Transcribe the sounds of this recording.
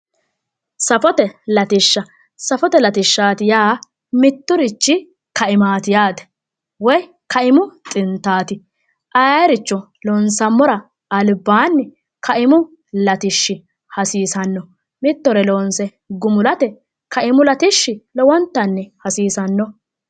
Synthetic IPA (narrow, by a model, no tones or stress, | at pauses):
sɐfɔt̪ɛlɐt̪ɪʃːɐ | sɐfɔt̪ɛlɐt̪ɪʃːaːt̪ɪjaː | mɪt̪ːʊɾɪt͡ʃːɪ | kɐʔɪmaːt̪ɪjaːd̪ɛ̥ | wɔj | kɐʔɪmʊt̪ʼɪnt̪ːaːt̪ɪ | ʔɐjajɾɪt͡ʃːɔ | lɔːnsɐmːɔɾɐː | lbːaːnːɛ | kʰɐʔɪmʊ | lɐt̪ɪʃːɪ | hɐsiːsɐnːɔ | mɪt̪ːɔɾɛloːnsɛ | ɡʊmʊlɐt̪ɛ | kɐʔɪmʊlɐt̪ɪʃːɪlɔwɔnt̪ːɐnːɛhɐsiːsɐnːɔ